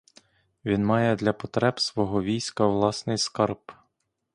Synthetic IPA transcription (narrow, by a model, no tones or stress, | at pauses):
ʋʲinmɑjɛd̪lʲɐpɔt̪ɾɛbsʋɔɦɔʋʲijsʲkɐʋlˠɑsnɪjskɑrp